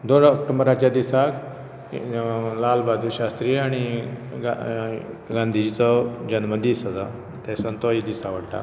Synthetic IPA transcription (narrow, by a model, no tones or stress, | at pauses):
d̪oɽəkʈəmbɾat͡ɕjad̪isak | lalbad̪ʱuɕast̪ɾiːaɽ̃iɡa | ɡãnd̪ʱid͡ʑit͡sɔd͡ʑənməd̪ʱisəd͡z̪a | t̪asənt̪ɔid̪isaʋəɽʈa̰